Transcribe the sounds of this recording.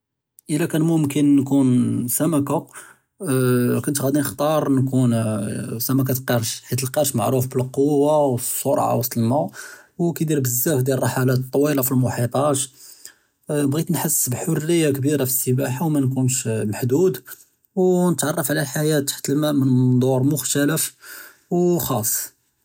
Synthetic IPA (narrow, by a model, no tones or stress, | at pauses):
ʔəlækænmʊmkənːkunsæmæka | kʊnt̪ɣæd̪inəxt̪ˤɑɾˤnkunsæmæk̬æt̪qiɾʃħit̪lqiɾˤʃmaʕɾufbəlqowːawsˤːoɾˤʕa̰wəsːəlmawkæd̪iɾbəzːæfd̪jærˤrˤɑħalæt̪t̪ˤːwilafilmʊħit̪ˤɑʃ | bɣit̪nħəsːbħʊrːəjːakbiɾafi̥sːəbaħawmænkunʃmaħd̪ud̪ | wnət̪ʕɑrˤːɑfʕlælħajæt̪ːħt̪əlmæmənd̪ˤoɾˤmʊxt̪æləf | wxɑsˤː